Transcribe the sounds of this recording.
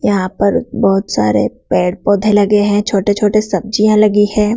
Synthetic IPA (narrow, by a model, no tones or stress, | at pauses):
jɐɦãpɐɾbɔːt̪sa̰ːɾḛpɛːɽpɔːd̪ʱẽlɐɡeɦɛ̃t͡ʃʰoːʈet͡ʃʰoːʈesɐb̚d͡ʒijãlɐɡihɛ̃ː